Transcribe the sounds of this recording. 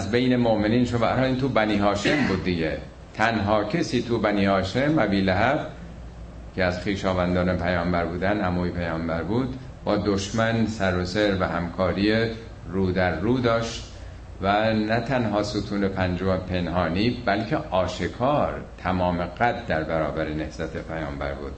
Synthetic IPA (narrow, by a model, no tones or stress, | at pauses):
zbejnemoʔme̞niːnʃovæ̰ɾɒːiːnt̪ʰuːbæniːɦɒːʃe̞mbuːd̪ːiɟḛ | t̪ʰænɦɒːcʰesiːt̪ʰubæniːhɒːʃemæbiːlæɦæb | cʰeæzxiːʃɒːvænd̪ɒːnepʰæjɒːmbæɾbuːd̪ænːæmuːjipʰæjɒːmbæɾbuːd̪ | bɒːd̪oʃmænsæɾoseɾvæhæmkʰɒːɾije | ruːd̪æɾːuːd̪ɒːʃt̪ | vænæt̪ʰænɦɒːsut̪ʰuːnepʰænd͡ʒompʰe̞nɦɒːniːbælcʰeʔɒːʃekʰɒːɾt̪ʰæmɒːmeɡæt̪̚d̪æɾbæɾɒːbæɾenehz̥æt̪ʰepʰæjɒːmbæ̰ɾbṵːd̪̥